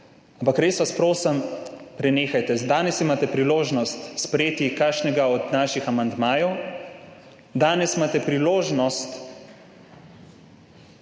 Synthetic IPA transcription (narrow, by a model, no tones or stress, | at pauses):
ampakɾeːsʋaspɾoːsɐmpɾɛneːxajt̪ɛd̪aːnɛsimaːt̪ɛpɾiloːʒnɔst̪spɾɛjeːt̪ikaʃnɛɡaɔd̪naːʃixamand̪maːjɔw | d̪aːnɛsimaːt̪ɛpɾiloːʒnɔst̪